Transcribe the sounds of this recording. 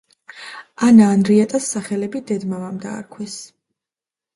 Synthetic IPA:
anaːnɾiat̪ʼasːaχɛlɛbid̪ɛd̪mavamd̪a̰ːɾkʰwɛs

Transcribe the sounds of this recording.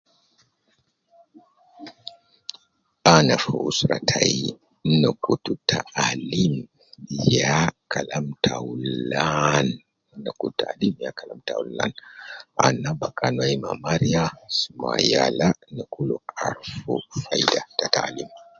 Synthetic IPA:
ʔanafuʔusɾatʰaj | nakututʰaʔalim | jakʰalamtʰawulan | nakuttaalimjakalamtalːa̰nʔanabakʰʼanwaimamaɾijasumajalanakʰuluaɾfufajdatatalim

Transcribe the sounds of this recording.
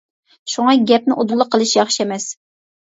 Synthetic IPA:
ʃuŋɑɡʲɛp̚nɪʔod̪ulˠːəqʰːəlˠɨʃjɑχʃiɛmɛs

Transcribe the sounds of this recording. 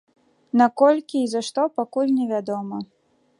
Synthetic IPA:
nakɔlʲkʲiːzaʂt̪ɔpakulʲnʲɛvʲad̪ɔmɐ

